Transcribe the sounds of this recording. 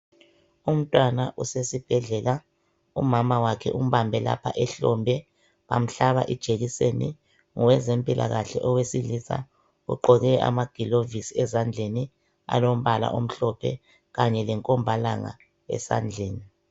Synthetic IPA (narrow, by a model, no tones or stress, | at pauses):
um̩tʼwanaʔusesib̥ʱɛɮɛla | ṵmamawakʰɛ̰ʔum̩βambʱɛla̰pʰaʔɛɬɔmbʱɛ | βam̩ɬaβaʔid̥ʒ̥ʱeɣisenḭ | ŋɔwɛzempʼilʔa̰ɣaɬɛ̰ʔɔwesilisa̰ | ṵǃɔɣɛʔa̰maɡ̥ʱilovisiɛzand͡ɮʱeni | a̰lom̩βala̰ʔom̩ɬɔpʰɛ̰ | ɣaɲɛlɛŋkʼɔmbʱalaŋa̰ | ɛ̰sa̰nd͡ɮʱeːni